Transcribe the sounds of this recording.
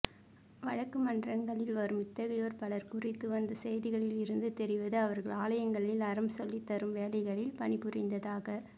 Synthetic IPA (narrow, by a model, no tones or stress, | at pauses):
ʋɐɻɐkːɯmɐndrɐŋɡɐɭɪlʋɐɾɯmɪt̪ːɐɣɐjoːɾpɐɭɐɾkʊrɪt̪ːɯʋɐnd̪ɐsɛjðɪɣɐɭɪlɪɾɯnd̪ɯt̪ɛɾɪʋɐðɯɐʋɐɾɣɐɭaːlɐjɐŋɡɐɭɪlɐɾɐmsɔlːɪt̪ːɐɾɯmʋeːlɐɪɣɐɭɪlpɐɳɪpɯrɪnd̪ɐðaːɣɐ